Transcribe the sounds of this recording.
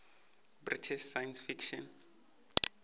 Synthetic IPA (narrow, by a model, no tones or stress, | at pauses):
britʰiʃsajansfikʃɔn